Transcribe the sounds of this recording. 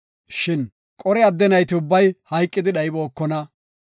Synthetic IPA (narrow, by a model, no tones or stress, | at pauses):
ʃɪn | kʼɔɾɛɐd̪ːɛnɐjt̪ɪʊbːɐjhɐjkʼːɪd̪ɪɗɐɪbo̞ːkːɔnɐ